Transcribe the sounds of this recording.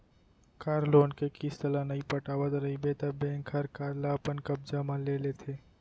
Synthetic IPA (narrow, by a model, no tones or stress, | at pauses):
kaːɾloːnkekist̪əlanɐĩpɐʈaːʋət̪ɾɐɦibeːt̪əbɛ̃ːŋkʰɦɐɾkaːɾlapənkɐb̚d͡ʒamãleːlet̪ʰeː